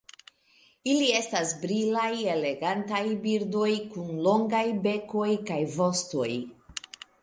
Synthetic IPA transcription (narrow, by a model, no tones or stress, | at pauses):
ilie̞stasbɾilaje̞le̞ɡantajbiɾdo̞jkunlo̞ŋɡajbe̞ko̞jkajvo̞sto̞̰j